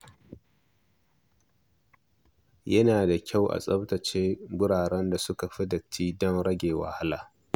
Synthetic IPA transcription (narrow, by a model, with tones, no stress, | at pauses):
jɐ˦naː˨da˨kʲa˦˨wʔa̰˨sʼɐ˦btɐ˨t͡ʃeː˦ɡʊ˦ɽaː˨ɽɛ˦nda˨sʊ˦ka˨ɸɪ˦dɐ˨t͡ʃːiː˦dɔ˦ŋɽɐ˦ɡʲeː˨wa̰˨ha˦la̰ː˨